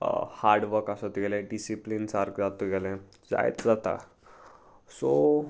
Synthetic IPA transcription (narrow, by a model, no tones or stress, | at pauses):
haɾɖʋəɾkasət̪ɡelẽɖisiplint͡saɾkd͡zat̪uɡelẽ | d͡za̰jt̪d͡zat̪a̰ | so